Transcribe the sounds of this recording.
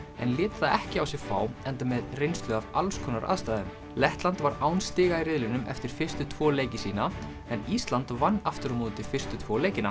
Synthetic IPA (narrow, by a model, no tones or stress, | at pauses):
ɛnlɪːt̪ḁθaɛhcɪawsɪɛɣfaːwɛnt̪amɛðrejnst̪lʏɣava̰lskʰɔːnaɾa̰ðst̪ajðaðʏm | lɛht̪lant̪vaɾawnst̪ɪːɣairɪðlɪnʏmʔɛ̰ft̪ɪɾ̥fɪr̥st̪ʏt̪ʰvɔːleːjcɪsiːna | ɛniːst̪lant̪vanːaft̪ʏɾɔmoːðnt̪ɪfɪr̥st̪ʏt̪ʰvɔːleːjcɪna